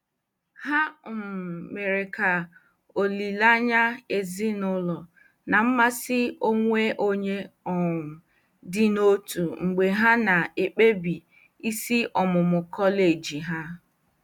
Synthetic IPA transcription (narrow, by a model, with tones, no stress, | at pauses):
ha˦˨m̩˨me˨ɾe˨ka˨ | o˨li˨la˦ɲa˦e˨zi˦nʊ˦lɔ˨ | na˨m̩˦ma˦sɪ˦o˦ŋʷe˦ʔo˦ɲe˦ɔ˨m̩˨ | dɪ˦no˦tu˨ŋ͡m̩˨ɡ͡be˨ɦa˦na˨e˨k͡pe˦bi˨ | i˦si˦ʔɔ˨mʊ˨mʊ˨kɔ˦le˨d͡ʒi˨ɦa˦